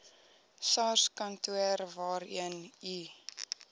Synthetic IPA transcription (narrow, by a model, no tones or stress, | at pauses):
sɑːrskɐntuərvɑːɾiəni